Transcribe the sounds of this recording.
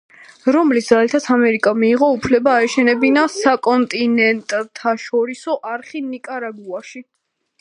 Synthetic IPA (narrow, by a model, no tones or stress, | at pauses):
ɾɔmlitsd̪zalit̪ʰat̪ʰamɛɾikʼamiːʁɔupʰlɛbaːɛʃɛnɛbinasakʼɔnt̪ʼinɛnt̪ʼt̪ʰaʃɔɾisɔʔaɾχinikʼaɾabuaʃi